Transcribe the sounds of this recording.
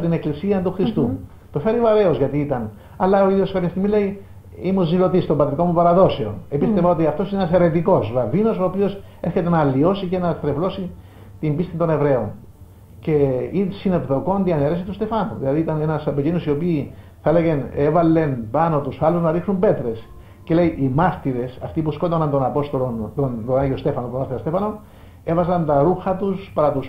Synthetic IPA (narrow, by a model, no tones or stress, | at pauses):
t̪ine̞klisiɐt̪uxɾist̪u | t̪ofe̞ɾioɐɾe̞ozʝɐt̪iit̪ɐn | ɐlːɐoiðioskɐpçeɐst̪iɣmilei | imuzːilo̞t̪ist̪obɐt̪ɾiko̞mupɐɾɐðo̞se̞o̞̰nepist̪evɐot̪iɐft̪o̞sineenɐse̞ɾe̞t̪iko̞sɾɐvino̞so̞ːpio̞s | eɾçe̞t̪e̞nɐːlːio̞sice̞nɐst̪ɾevlo̞si | t̪imbist̪int̪o̞ne̞vɾe̞on | ce̞insine̞pðo̞ko̞nd̪iɐneɾes̬it̪ust̪e̞fɐnuðilɐðiit̪ɐne̞nɐsɐpecinosio̞piː | θɐeleɣe̞nevɐlːe̞npɐno̞t̪usɐlːuznɐɾixsumbe̞t̪ɾe̞s | ce̞le̞iʔimɐɾt̪iɾe̞sɐft̪ipusko̞t̪onɐnt̪o̞nɐpo̞st̪olont̪ont̪onɐɲʝiost̪e̞fɐnopunɐθeɐst̪efɐno̞ | e̞vɐzɐnt̪ɐɾuxɐt̪uspɐɾɐt̪us